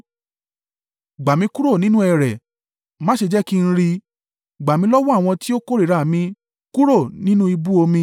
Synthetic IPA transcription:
ɡ͡ba˨mĩ˧˦ku˦ɾo˦˨nĩ˦nũ˦ɛ˨ɾɛ˨ | mã˦ʃe˧d͡ʒɛ˦ki˦n̩˦ɾi˧ | ɡ͡ba˨mĩ˧˦lɔ˦wɔ˦a˦˨w̃ɔ̃˧ti˦o˦ko˦˨ɾi˨ɾa˨mĩ˧ | ku˦ɾo˦˨nĩ˦nũ˦i˧bu˦o˧mĩ˧

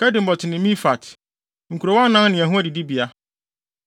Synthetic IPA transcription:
kɛ˦dɪ̃˨m̩˨bɔ˨tʰɪ˨nɪ̃˨mĩ˦fa˨t | ŋ̩˨kʰu˨ɾo˨wnã˦nɪ̃˨æ˨ɦũ˦æ˦di˨di˦bi˨a˦

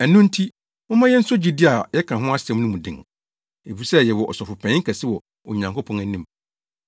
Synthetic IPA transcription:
ɛ˨nʊ̃˦n̩˦tʰi˦ | mʊ̃˦mã˦jɛ˦n̩˦sʊ˦d͡ʑi˨di˦a˨jɛ˦kʰã˨ɦʊ̃˦a˦sɛ̃˨m˦nʊ̃˦mũ˨dɪ̰̃˨ŋ | e˨fi˦sɛ˦jɛ˨wɔ˨ʔɔ̰˨sɔ˨fʊ˨pʰɛ̃˨˦ŋ̩˦kʰɛ˨sɪ˦wɔ˨ | o˨ɲã˨ŋkʰo˦pʰɔ̃˨næ˨nĩ˦˨m

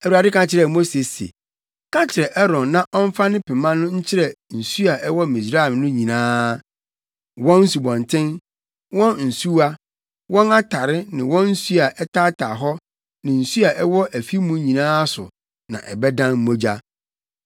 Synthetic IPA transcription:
ɛ˨wu˨a˨dɪ˦kã˦t͡ɕʰɪ˨ɾɛ˨mo˦se˨sḛ˨ | kʰã˦t͡ɕʰɪ˨ɾɛ˨ʔɛ˦ɾɔ̃˨nːã˦ʔɔ˦ɱ̩˦fa˦nɪ̃˦pʰɛ˨mã˦nʊ̃˦ɲ̩˦t͡ɕʰɪ˦ɾɛ˨n̩˨su˦a˨ʔɛ˦wɔ˦mĩ˨sɾa˦ɛ˨mnʊ̃˦ɲĩ˨nãː˦ | wɔ̃˦n̩˦su˨bɔ̃˨ntʰɪ̃˦n | wɔ̃˦nn̩˨su˦a˦ | wɔ̃˦na˦tʰa˨ɾɪ˦nɪ̃˨wɔ̃˦n̩˦su˦a˨ʔɛ˦tʰa˦tʰa˨ɦɔ˦ | nɪ̃˨n̩˨su˦a˨ʔɛ˦wɔ˦ʔæ˨fi˦mũ˦ɲĩ˨nãː˦sʊ̰˨ | nã̰˨ʔɛ˨bɛ˦dã˦nm̩˦mo˦d͡ʑa˦

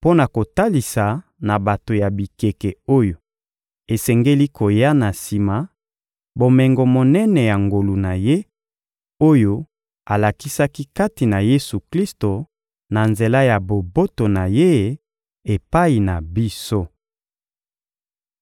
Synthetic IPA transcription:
po˦na˨ko˨ta˦li˨sa˨na˨ba˨to˨ja˨bi˨ke˨kɛ˨o˦jo˨ | e˨sɛ˨ŋɡe˦li˦ko˨ja˦na˨si˨ma˨ | bo˨mɛ˨ŋɡo˨mo˨nɛ˦nɛ˨ja˨ŋɡo˨lu˨na˨je˦ | o˦jo˦ | a˨la˨ki˦sa˦ki˦ka˦ti˨na˨je˦su˨kli˦sto˨ | na˨nze˨la˦ja˨bo˨bo˦to˨na˨je˦˨ | e˨pa˦i˨na˨bi˦so˦

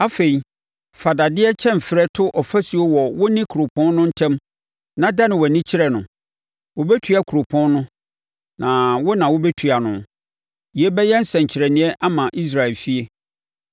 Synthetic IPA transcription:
a˦fe˨i˨ | fa˨da˨dɪ˦ɛ˦t͡ɕʰɛ̃˦m˨fɪ˨ɾɛ˦tʰʊ˦ʔɔ˨fæ˦su˨o˦wɔ˨wʊ˦nɪ̃˦kʰu˨o˨pʰɔ̃˦nnʊ̃˦n̩˦tʰɛ̃˦m | nã˨da˦nɪ̃˨wɔ˨nĩ˦t͡ɕʰɪ˦ɾɛ˨nʊ̃˨ | wʊ˨bɛ˦tʰu˨˦a˨kʰu˨ɾo˨pʰɔ̃˦nnʊ̃˦ | nã˨wʊ˦nã˨wʊ˦bɛ˦tʰu˨a˨nʊ̰̃˨ | ji˨e˦bɛ˦jɛ˦n̩˦sɛ̃˨ɲ̩˨t͡ɕʰɪ˨ɾɛ˨nɪ̃˨˦ɛ˦ʔa˦mã˨ʔi˦s̬ɾa˨ɛ˨lfi˦e˦

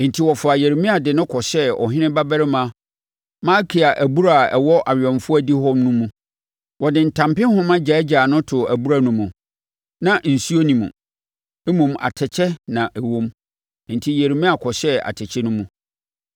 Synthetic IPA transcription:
n̩˨tʰi˦wɔ˨fʊ˨a˨jɛ˨ɾmĩ˦a˨dɪ˨nʊ̃˦kʰɔ˨ɕɛ˦ɔ̰˨ɦɪ̃˦nɪ̃˦ba˦bɛ˦ɾɪ˦mã˦ | mã˦kʰi˨a˨ʔæ˨bu˦ɾa˨ɛ˨wɔ˦ʔa˨ɥᶣɛ̃˨mfʊ˦æ˦˨di˦ɦɔ̃˦mnũ˦mũ˨ | wɔ˨dɪ̃˨n̩˨tʰã˨mpɪ̃˦hʊ̃˦mã˦d͡ʑɛ˨˦d͡ʑaː˨nʊ̃˦tʰʊ˨æ˨bu˦ɾa˦nũ˦mũ˨ | nã˦n̩˨su˦o˦nĩ˨mṵ̃˨ | e˦mũ˨mʔa̰˨tʰɛ˨t͡ɕʰɛ˦nã˨ʔɛ˨wõ˦m˨ | n̩˨tʰi˦je˨ɾmĩ˦a˨kʰɔ˨ɕɛ˦a̰˨tʰɛ˨t͡ɕʰɛ˦nʊ̃˦mũ˨

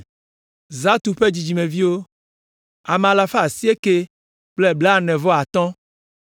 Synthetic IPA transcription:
za˦t̪u˨ɸe˦d͡ʑi˨d͡ʒi˨mẽ˨vi˦wo˦ | a˨m˨a˨la˨fa˦˨si˦e˦ke˦ | k͡ple˦bla˦˨nɛ̃˨vɔ˦a˨t̪ɔ̃˦

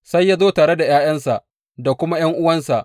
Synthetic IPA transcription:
sa˦jːa˦zoː˦taː˨ɽe˦da˨jaː˦j̰ɐ˦nsa˨ʔ | da˨kʷʊ˦ma˦j̰ɐ˦ŋʔʊ˦wɐ˦nsa˨ʔ

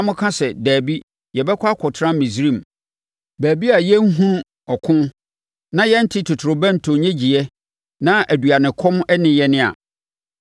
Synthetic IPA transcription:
mʊ̃˦kʰã˦sɛ˨dæː˨bi˦ | jɛ˨bɛ˦kʰʷa˦kʰʊ˨tʰɾã˦mĩ˨sɾĩ˦˨m | bæː˨bi˦a˨jɛ˦ŋ̩˦ɦũ˦n˦ | ɔ˨kʰʊ̃˦ | nã˦jɛ˦n̩˦tʰi˦tʰʊ˨tʰʊ˨ɾʊ˨bɛ̃˦n̩˨tʰõ˨ɲɛ̃˦d͡ʑi˨ɛ˦ | nã˦ʔæ˨du˨a˨nɪ̃˨kʰɔ̃˦mɛ˦nɪ̃˦jɛ˦nɪ̃˦a̰˨

